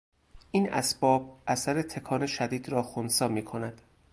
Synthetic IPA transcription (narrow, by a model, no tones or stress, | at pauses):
ʔiːnæ̰sbɒːb̚ʔæsæɾet̪ʰe̞kʰɒːne̞ʃæd̪iːd̪ɾɒːxonsɒːmiːkʰonæd̪̥